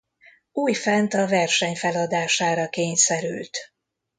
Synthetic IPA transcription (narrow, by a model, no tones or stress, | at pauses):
uːjfɛnt̪ɒvɛrʃɛɲfɛlɒd̪aːʃaːɾɒkeːɲsɛɾy̰lt̪